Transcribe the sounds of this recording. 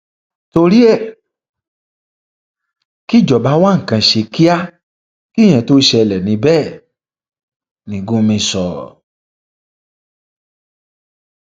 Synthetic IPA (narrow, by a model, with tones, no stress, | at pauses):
to˧ɾi˦ɛ˦˨ | ki˦˨d͡ʒɔ˨ba˨˦wa˦ŋ̩˨kã˧ʃe˧ki˦a˦ | ki˦˨j̃ɛ̃˧˨to˨˦ʃɛ˧lɛ˨nĩ˧˦bɛː˦˨ | nĩ˨ɡũ˨˦mĩ˧sɔ˨